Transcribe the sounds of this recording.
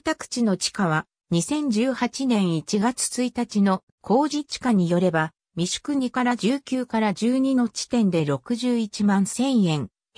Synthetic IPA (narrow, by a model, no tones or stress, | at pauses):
t̪akɯ̥t͡ɕino̞t͡ɕi̥kaβ̞a | ɲisẽ̞ɲ̟d͡ʑɨːhat͡ɕinẽ̞ɰ̃it͡ɕiɡat͡sɨ̥t͡sɨit̪at͡ɕino̞ | kʰo̞ːʑit͡ɕi̥kaɲ̟ijo̞ɾe̞ba | mʲiɕɨ̥kɯ̟ɲ̟ikaɾad͡ʑɨːkʲɨːkaɾad͡ʑɨːɲ̟ino̞t͡ɕi̥t̪ẽ̞nd̪e̞ɾo̞kɯ̟ʑɨːit͡ɕimãɰ̃sẽ̞ɰ̃jẽ̞ŋ